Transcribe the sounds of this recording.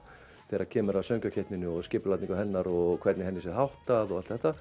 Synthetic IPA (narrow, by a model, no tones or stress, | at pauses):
θɛːɾḁcʰɛːmʏɾavsœŋkacʰɛht̪nɪnːʏɔɣscɪpʏlat̪niŋkahɛnːaɾɔɣkʰv̥ɛrt̪nɪhɛnːɪsɛɦawht̪aðɔɣalt̪θɛht̪a